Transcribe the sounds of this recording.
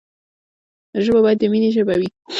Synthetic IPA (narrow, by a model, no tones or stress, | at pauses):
ʒəbabɑjat̪d̪əmineʒəbawi